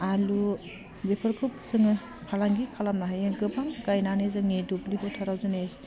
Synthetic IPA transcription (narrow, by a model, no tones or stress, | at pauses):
alu | bepʰɯɾkʰup̚sɯŋɯ | kʰalaŋɡikʰalamnaɦajɯɡɯbaŋɡajnanezɯŋedubliɦʰɔtʰaɾawzɯnes